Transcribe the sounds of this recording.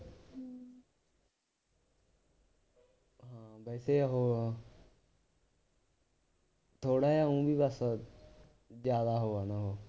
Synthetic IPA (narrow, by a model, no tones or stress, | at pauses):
ɦãːbɛːseɦoː | t̪ʰoːɽaːjaːũːbʱiːbəs | zjaːd̪aːɦoːaːnaɦoː